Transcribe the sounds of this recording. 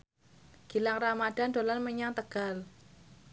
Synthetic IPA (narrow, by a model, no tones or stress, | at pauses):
ɡ̥i̤laŋramad̥a̤ndo̤lanməɲaŋt̪əɡ̥al